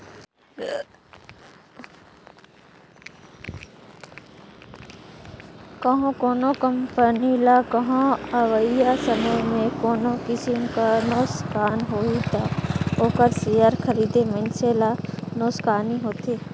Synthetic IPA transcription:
kɐɦõkoːnõkəmpənilaːkɐɦõaʋəijasəməmẽkoːnokɪsɪmkanoːskaːnɦoːit̪aoːkəɾsijaɾkʰəɾiːd̪emə̃nselanoːskaːniɦoːt̪eː

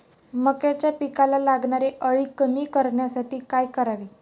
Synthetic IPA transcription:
məkat͡ɕjapikalalaɡɳaɾeʔəɭiːkəmiːkəɾɳjasaʈiːkajkəɾaʋiː

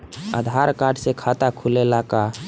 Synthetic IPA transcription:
ə̰d̪ʱaɾkaɖsekʰat̪akʰulelaka

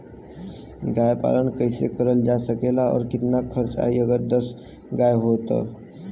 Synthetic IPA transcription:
ɡajpa̰lənkəjsekəɾəld͡ʒasəkelaɔ̰ːɾkit̪nakʰəɾt͡ʃa̰iəɡəɾd̪əs | ɡajɦot̪ə̰

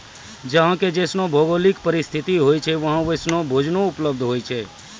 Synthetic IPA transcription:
d͡ʒəɦãked͡ʒesnobʱoɡolikpəɾɪst̪ʰit̪iɦojt͡ʃʰeʋəɦãʋesnobʱod͡ʒnoʊpləb̚d̪ʱɦoːjt͡ʃʰe

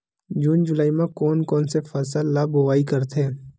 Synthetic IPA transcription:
d͡ʒuːnd͡ʒʊlaːimãkɔːnkɔːnsefʰɛːsəlːaːboʋaːikɐɾt̪ʰeː

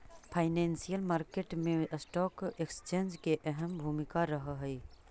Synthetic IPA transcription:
pʰaɪneːnsijəlmaːɾkeʈmẽsʈɔːkekst͡ʃẽːnd͡ʒkeʔɛɦəmbʱuːmɪkaɾəɦəɦəi

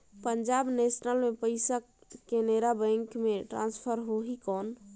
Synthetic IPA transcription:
pəɲd͡ʒabnesnəlmepəɪsəkːeneɾabə̃ŋkmeʈɾãnspʰəɾɦoɦikɔn

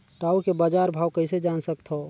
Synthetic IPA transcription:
ʈaːukebaːd͡ʒaːɾbʱaːwkəɪsed͡ʒaːnsək̚t̪ɦo

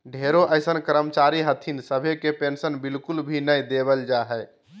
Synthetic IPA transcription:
ɖʱeɾoʔəjsənkəɾəmət͡ʃaɾiɦət̪ʰinsəbʱekepensənbilkulbʱinəjd̪ebəld͡ʒaɦɛ

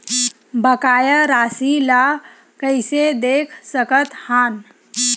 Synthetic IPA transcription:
bəkajəɾasila | kəjsed̪ekʰsəkət̪han

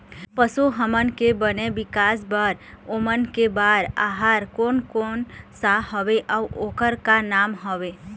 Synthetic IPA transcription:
pəsuɦəmənkebənebɪkasbəɾomənkebaɾa̰ɦaɾkonkoːnsaɦɔʋeʔawokəɾkanamɦɔʋe

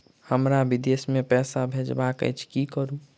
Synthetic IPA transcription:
həmɾabid̪esmepɛsabʱed͡ʒbakə̰t͡ʃʰkikəɾu

